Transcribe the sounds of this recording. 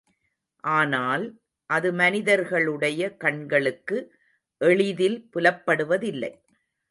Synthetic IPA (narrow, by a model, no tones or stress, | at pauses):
ʔaːnaːl | ʔɐðɯmɐnɪðɐɾɣɐɭɯɽɐjɐkɐɳɡɐɭɯkːɯ | ʔɛɭɪðɪlpʊlɐpːɐɽɯʋɐðɪlːɐ̰ɪ